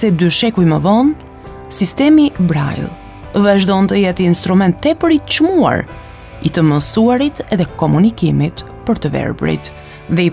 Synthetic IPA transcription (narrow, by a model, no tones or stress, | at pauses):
sɛd̪yʃɛkujməvɔn | sist̪ɛmibɾa̰jlˠ | vaʒd̪ɔnt̪əjɛt̪inst̪ɾumɛnt̪ːɛpəɾitə̥t͡ʃmua̰ɾ | it̪əməsuaɾit̪ɛðɛkɔmunikimit̪ | pəɾt̪əvɛ̰ɾbɾḭt̪ | ðɛi